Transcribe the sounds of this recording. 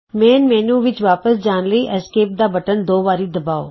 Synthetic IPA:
mɛ̃ːnmɛ̃ːnũːʋɪt͡ʃʋaːpəsd͡ʒaːnləiːʔɛskeːp̚d̪aːbɐʈənd̪oːʋaːɾiːd̪ɐbaːoː

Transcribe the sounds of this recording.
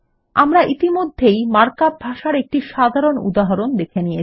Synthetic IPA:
a̰mɾaʔit̪imod̪ʱːejmaɾkap̚bʱaʃaɾek̚ʈiʃad̪ʱaɾonṵd̪aɦaɾond̪ekʰenije

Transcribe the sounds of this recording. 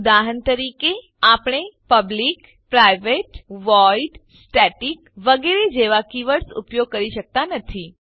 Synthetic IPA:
d̪aɦənt̪əɾike | apɳ̃epəblik | pɾajʋeʈʋɔiɖ | sʈɛʈikʋəɡeɾed͡ʒeʋakiʋəɽsṵpjoɡ̚kəɾiʃək̚t̪anət̪ʰi

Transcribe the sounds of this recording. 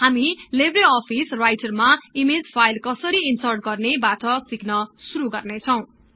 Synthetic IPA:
ɦamilebreʌpʰisrajʈʌrmaimed͡zpʰajlkʌsʌɾiinsʌrʈ̚ɡʌrnebatʌsiknʌsuɾuɡʌrnet͡sʰʌw̃

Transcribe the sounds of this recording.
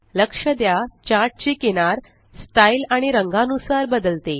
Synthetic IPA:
ləkʂəd̪jat͡ɕaɾʈ̚t͡ɕiːkeɽ̃aɾ | sʈailaɽ̃iɾəŋɡanusaɾbəd̪əlt̪e

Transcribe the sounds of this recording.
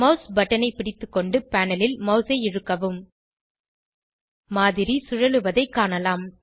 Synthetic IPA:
mɐʊsbɐʈːɐnɐɪpɪɽɪt̪ːɯkːɔɳɖɯpæːnɐlɪlmɐʊsɐɪɪɻɯkːɐʋɯm | aːðɪɾisʊɻɐlɯʋɐðɐɪkːaːnɐlaːm

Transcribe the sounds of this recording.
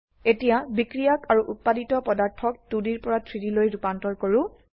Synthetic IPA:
etijabikɹijakaɹuʔut̚paditɔpɔdaɹtʰɔk̚tudiɹpɔɹatʰɹitilojɹupantɔɹkoɹʊ̃

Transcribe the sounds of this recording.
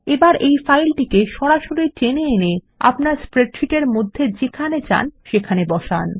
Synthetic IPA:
ebaɾejfajlʈikeʃɔɾaʃoɾit͡ɕeneene | a̰pnaɾspɾeʈɾiʈeɾmod̪ʱːed͡ʑekʰanet͡ɕa̰nʃekʰanebɔʃa̰n

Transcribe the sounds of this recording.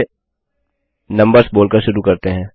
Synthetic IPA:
nɐ̃mbəɾsboːlkɐɾʃʊɾukɐɾt̪eɦɛ̃ː

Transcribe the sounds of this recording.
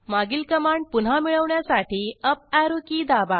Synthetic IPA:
maɡilkəmaɳpunɦamiɭəʋɳjasaʈiːəp̚aɾukiːd̪aba

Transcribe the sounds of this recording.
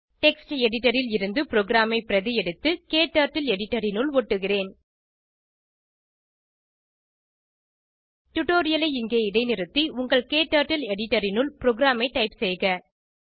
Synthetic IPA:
ʈɛksʈɛɽɪʈɐɾɪlɪɾɯnd̪ɯpɪɾoːɡɾaːmɐɪpɪɾɐðɪjɛɽɯt̪ːɯkeːʈːaːɾʈːɪlɛɽɪʈːɐɾɪnʊlɔʈːɯɣɪreːn | ʈʊʈoːɾɪjɐlɐɪɪŋɡeːɪɽɐɪnɪɾɯt̪ːiʊŋɡɐɭkeːʈːaːɾʈɪlɛɽɪʈːɐɾɪnʊlpɪɾoːɡɪɾaːmɐɪʈɐɪpsɛjɣɐ

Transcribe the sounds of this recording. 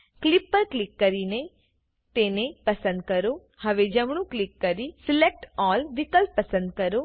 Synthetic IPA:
klɪpːəɾklɪkːəɾine | t̪enepɐsə̃nd̪̚kəɾo | hɐʋed͡ʒəmɳ̃ũklɪkːəɾisɪlek̚ʈɔːlʋɪkəlppəsə̃nd̪̚kəɾoː

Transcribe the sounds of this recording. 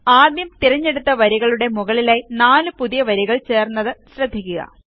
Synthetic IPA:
aːd̪jɐmt̪iɾɐɲːe̞ɽut̪ːɐʋɐɾiɣɐɭuɽe̞muɣɐɭilaːjinaːlɨpuðijɐʋɐɾiɣɐɭt͡ɕe̞ːrnːɐðɨɕrɐd̪ʱːikʲːuɣɐ̰

